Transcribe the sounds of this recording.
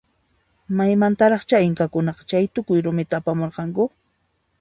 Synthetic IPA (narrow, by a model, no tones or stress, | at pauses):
majmant̪aɾɑχt͡ʃaɪŋkakʊnɑqɑ̥t͡ʃajt̪ʊkʊjɾʊmɪt̪aːpamoɾqɑŋkʊ